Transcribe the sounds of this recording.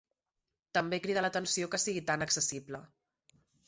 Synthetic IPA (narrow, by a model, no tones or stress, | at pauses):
t̪əmbekɾiðələt̪ənsiokəsiɣit̪anəksəsiblə